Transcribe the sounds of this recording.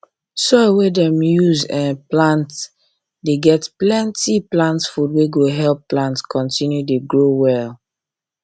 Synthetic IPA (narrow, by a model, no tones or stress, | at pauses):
sɔwedɛ̃mjuzɛ̃nplãnt | deɡɛtplɛ̃ntiplãntsfudweɡoɦɛlpːlãntskɔ̃ntĩnjudeɡɹowɛl